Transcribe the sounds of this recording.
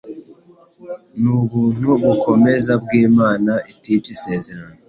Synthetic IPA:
nuβuːn̥huβukʰo̞me̞zab̚ɡiːmaːnaʔititise̞ːze̞ɾano

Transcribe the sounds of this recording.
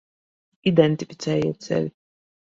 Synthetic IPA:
id̪ɛnt̪ifi̥t̪sɛːjɛt̪sɛ̰lʲi

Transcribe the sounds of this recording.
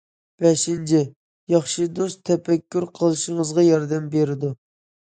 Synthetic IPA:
b̥ɛʃint͡ʃʰɪ | jɑχʃɨd̪ost̪ʰːɛpɛkʲːyɾqʰəlˠɨʃiŋəzʁɑjɑɾd̪ɛmbeɾɪd̪u

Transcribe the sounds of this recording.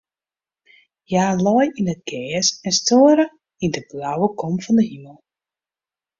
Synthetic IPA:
jaːlɔjinət̚ɡɛːəsɛnstoəɾə | indəblawəkʰɔmfɔndəɦiməlˠ

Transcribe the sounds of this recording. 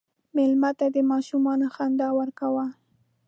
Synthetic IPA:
mɪlmat̪ad̪əmɑʃumɑnoxand̪ɑwaɾkawa

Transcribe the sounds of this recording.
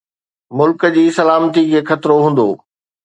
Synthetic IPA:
mʊlkəd͡ʑiːsɐlaːmt̪ikʰeːxɐt̪ɾoɦũːn̆d̪o̰ː

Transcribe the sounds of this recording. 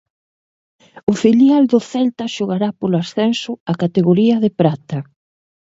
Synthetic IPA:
ʊfiljald̪ʊθɛlt̪ɐʃoɣaɾapolasθɛnsʊakat̪eɣoɾiɐðepɾat̪ɐ

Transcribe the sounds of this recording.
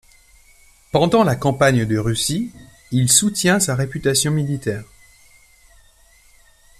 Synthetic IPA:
pɑ̃d̪ɑ̃lakɑ̃paɲd̪əʁysi | ilsut̪jɛ̃saʁepyt̪asjɔ̃milit̪ɛːʁ

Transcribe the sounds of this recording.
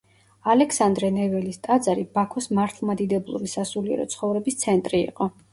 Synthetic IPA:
alɛkʰsand̪ɾɛnɛvɛlist̪ʼad̪zaɾibakʰɔsmaɾt̪ʰlˠmad̪id̪ɛblˠṵɾisasuliɛ̰ɾɔ̰t̪sʰχɔvɾɛbist̪sʰɛnt̪ʼɾḭːqʼɔ

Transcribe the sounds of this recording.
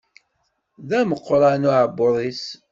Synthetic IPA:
ðæməqːɾˤanʊʕəbʊɾˤis

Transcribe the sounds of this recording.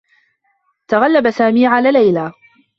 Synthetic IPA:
t̪aɣalːabasaːmiːʕalaːlajlaː

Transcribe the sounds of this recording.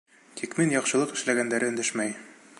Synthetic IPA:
t̪ʰikminjɒqʃɤ̆lˠɤqɘ̆ʃlæɡænd̪æɾɘɵ̆nd̪ɘʃmæj

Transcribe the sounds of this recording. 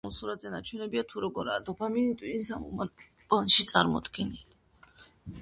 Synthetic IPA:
mɔsuɾad̪zɛnat͡ʃʰwɛnɛbiat̪ʰuɾɔɡɔɾaːd̪ɔpʰaminit̪ʼwiinsamɔ̰ | pʼanʃit̪sʼaɾmɔ̰d̪ɡɛnili

